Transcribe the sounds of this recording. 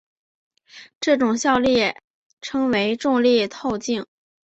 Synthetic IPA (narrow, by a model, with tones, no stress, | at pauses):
ʈ͡ʂɤ˥˩ʈ͡ʂʊ˨˩ŋɕjɑ˥˧ʊljɛ˥˩ | ʈ͡ʂʰɤ˧˥ŋwe˧˥ɪʈ͡ʂʊ˥˧ŋljɛ˥˧t̪ʰo˥˧ʊt͡ɕi˥˩ŋ